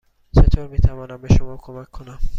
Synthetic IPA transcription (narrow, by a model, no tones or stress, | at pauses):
t͡ʃet̪ʰoɾmit̪ʰabɔnameʃomɔwkʰomakʰːonam